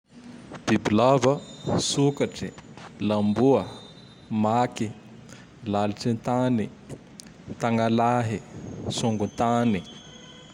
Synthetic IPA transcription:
b̥ibilavəsukaʈ͡ʂilambuə | maki | laliʈ͡ʂint̪ani | t̪aŋɡalaɦisuŋɡunt̪ani

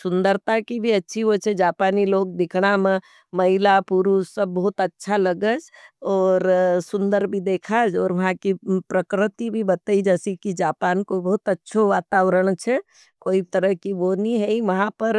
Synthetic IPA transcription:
sʊnd̪əɾt̪akibʱiətːʃʰiɦot͡ʃʰɛd͡ʒaːpaːniloːk̚d̪ɪkʰɽ̃amẽ | məɦilapuɾusəbːəɦut̪ətːʃʰaləɡəd͡ʒɔːɾsʊnd̪əɾbʱid̪eːkʰad͡ʒɔːɾʋɐɦãkipɾəkɾɪt̪ibʱibət̪əid͡ʒɛːsikid͡ʒaːpaːnkobəɦut̪ətːʃʰoʋaːt̪aːʋɾəɽ̃t͡ʃʰɛ | koːit̪əɾəɦkiʋoniɦɛiʋəɦãpəɾ

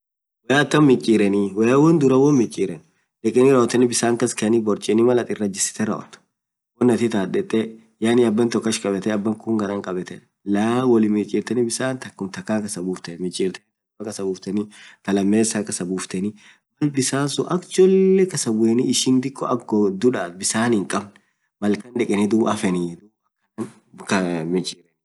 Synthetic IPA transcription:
wɛjaːt̪ːɐmmɪt͡ʃʼiːɾɛniwɛjawɔnd̪ʊɾɐwɔnmɪt͡ʃʼːiːɾɛn | ᶑɛkʼːɛnɪɾɐɔt̪ːɛnɪbɪsaːŋkɐskɛɐnɪbɔɾt͡ʃʼɪnɪmɐlɐt̪ʼɪrːɐd͡ʒɪsɪ̥t̪ɛɾɐ̰ʔɔ̰t̪ɐ̥ | wɔnːɐt̪ɪt̪aːᶑɛt̪ʼːɛ | jaːnɪɐbːɐnt̪ɔkːɐʃkʼɐbɛt̪ɛɐbːɐŋkʊŋɡɐɾɐŋkʼɐbɛt̪ɛ | lɐwɔlɪmɪt͡ʃʼiːɾt̪ɛnɪbɪsaːnt̪ɐkːʊmt̪ɐkːaːkɐsɐbuːft̪ɛmɪt͡ʃʼiːɾt̪ɛt̪ɐɐkʼɐsɐbuːft̪ɛnit̪ɐlɐmːeːsaːkɐsɐbuːft̪ɛnɪ | wɐlbɪsaːsʊ̰ʔɐkd͡ʒɔlːɛkɐsɐbʊeniɪʃɪnd̪ɪkːɔʔɐɡːɔd̪ʊᶑaːt̪̚bɪsaːnɪŋkʼɐbn | mɐlkɐnᶑɛkʼɛnɪd̪ʊbʔɐfɛnid̪uɐkːɐɐn | kɐmɪt͡ʃʼiːɾɛ

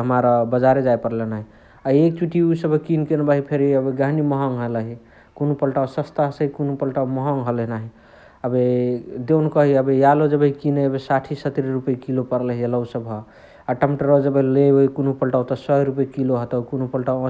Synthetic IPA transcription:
ɦəmaɾabəd͡ʒaɾed͡ʒajpəɾlenaɦi | aek̚t͡ʃuʈiusəbʱkinkenbaɦipʰeɾiəbeɡaɦniməɦɔŋɦələɦi | kunupəlʈawsəst̪asəɦikunupəlʈawməɦɔŋɦəleɦnaɦi | əbed̪ewnkəɦiəbejalod͡ʒəbəɦikineəbesaʈʰisət̪ɾiɾupəikilopəɾlɦiələusəbɦɔ | aʈəmʈəɾod͡ʒəbelebeikunupəlʈawt̪ɔsɔɾupikiloɦət̪əwkunupəlʈawə̃

